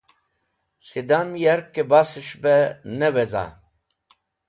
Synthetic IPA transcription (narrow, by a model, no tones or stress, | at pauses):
sed̪anmijɛɾkːebasɨʃbɛnɛwɛza̰